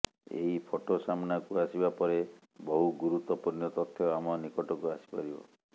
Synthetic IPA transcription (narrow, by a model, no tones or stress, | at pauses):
ḛɦipʰoʈosamɔnakuasibapɔɾe | bɔɦuɡuɾut̪ɔpunjɔt̪ɔt̪ʰːjɔamɔnikɔʈɔkuasi̥pɔɾibɔ̰